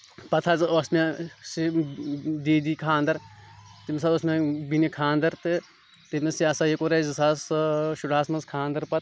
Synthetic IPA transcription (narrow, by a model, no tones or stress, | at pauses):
pɐt̪ʰaːzɐsmẽsi | d̪iːd̪iːkʰaːnd̪ɐɾt̪imisaːosmẽbinikʰaːnd̪ɐɾt̪ɨ | t̪imisiɐsaːjekoɾezisaːsʃuɖaːsmɐnzkʰaːnd̪ɐɾpɐt̪̚ʰ